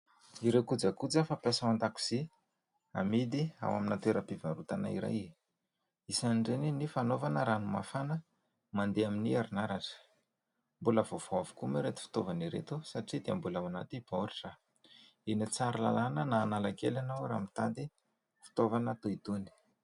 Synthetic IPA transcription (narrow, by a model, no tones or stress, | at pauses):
iɾekud͡zakud͡zafapjasaand̪aku̥z̥i | a̰mid̪ia̰waminat̪oeɾəpivaɾut̪ana̰ḭɾa̰ji | isanɳɖ͡ʐeninifanovanəɾanuma̰fanə | mand̪eaminiaɾinaɾaʈ͡ʂə̥ | mbuləvov̥oavu̥kumeɾet̪i̥fi̥t̪ovaniɾḛt̪usaʈ͡ʂid̪eambulawanat̪ib̥auɾiʈ͡ʂa | enit͡saɾila̰lanənaːnalakelanaɾa̰mit̪ad̪i | fi̥t̪ovanat̪oit̪uni̥